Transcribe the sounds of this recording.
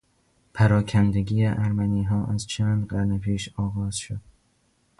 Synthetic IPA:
pʰæɾɒːkʰænd̪eɡiːeʔæɾmæniːɦɒːʔæzt͡ʃʰæːnd̪ɢæɾnepʰiːʃɒːɣɒːz̥ʃod̪̥

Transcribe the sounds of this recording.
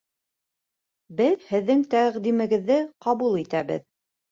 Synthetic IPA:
bɘðhɘ̆ðːɘŋt̪æʁd̪imɘ̆ɡɘ̆ðːɘqɑβulˠit̪æβɘ̰ð

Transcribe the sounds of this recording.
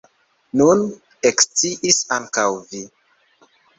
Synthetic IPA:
nun | ekst͡siʔisaŋkawvi

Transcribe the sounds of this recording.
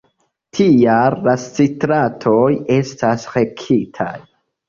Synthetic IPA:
tʰiallast͡sitɾatʰoje̞stʰasxe̞kʰitʰa̰j

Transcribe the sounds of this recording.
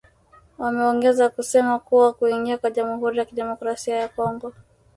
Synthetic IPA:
wamɛɔŋɡɛzakusɛmakuwakuiŋɡiakwaʄamuhuɾijakiɗɛmɔkɾasiajakɔŋɡɔ

